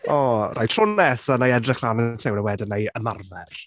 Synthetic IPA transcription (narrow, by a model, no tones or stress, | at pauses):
ɔrʔajtʰr̥ʊnɛsənajɛdrɪχl̥ˠaːnətʰɪwnəwɛdɪnajəmarvɛr